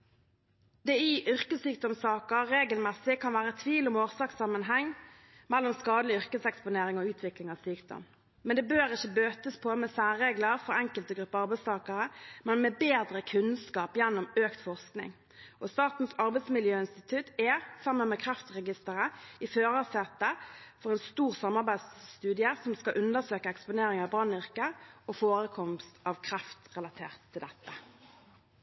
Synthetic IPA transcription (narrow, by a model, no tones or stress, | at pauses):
d̪ɛɪʔʏʁkəsːyːk̚d̪ɔmsɑːkəːeːɡəlmɛsɪkʰɑnʋæːʁəɛt̪ʰʋiːlʊmoːʁsɑːksɑmːənɦɛŋ | mɛlːɔmskɑːd̪əlɪʏʁkəsɛkspʊneːɾɪŋɔʉːt̪ʰʋɪklɪŋɑːʋsyːkd̪ɔ̰m | mɛnd̪ɛbøːɾɪçːəbøːt̪əspʰɔmɛsæːʁeːɡləʁfɔʁɛŋkəlt̪əɡʁʉpːəɑʁbæɪst̪ʰɑːkəʁəmɛnmɛbeːd̪ʁəkʰʉnskɑːpjɛnːɔmøːkt̪fɔʁsknɪ̰ŋ | ʔɔst̪ɑːt̪n̩sɑʁbæɛɪsmɪljøːɪnst̪ɪt̪ʰʉt̪ɛsɑmənmɛkʰʁɛft̪ʁɛɡɪst̪əʁəɪføːʁɑsɛt̪əfɔʁɛnst̪uːʁsɑmːɑʁbæɪd̪st̪ʉːd̪ɪəsɔmskɑʔʉnd̪əʁsøːkəɛkspʊneːɾɪŋɑʋbʁɑnʏʁkəɔfoːʁəkʰɔmst̪ʰɑʋkʰɾɑft̪ʁɛlɑt̪ʰeːʁt̪ʰːɪld̪ɛt̪ːə